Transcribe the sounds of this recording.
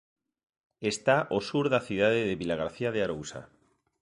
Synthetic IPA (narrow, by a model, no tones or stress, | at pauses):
est̪aʔosuɾðaθiðaðeðeβilaɣ̞aɾθiað̞eaɾowsa̰